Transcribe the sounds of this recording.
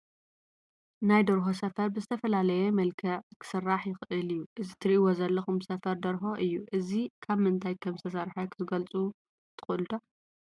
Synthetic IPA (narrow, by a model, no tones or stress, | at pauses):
najd̪ɐɾɦo̞s̬ɐfɐɾbɨzɨt̪ʰɐfɐlalɐjemɐlkʰɐkʰɨ̥sɨrːaħjɪxɨʔɨlɨjːuʔɨzit̪ʰɨɾiʔiwozɐlːɐxumsɐfɐɾd̪ɐɾɦo̞ʔɨjːuʔɨzikʰaβmɨnt̪ʰajkʰɐmzɨt̪ʰɐs̬ɐɾħokʰɨzɨɡɐlt͡sʼu | t̪ʰɨ̥xɨlut̪ʰo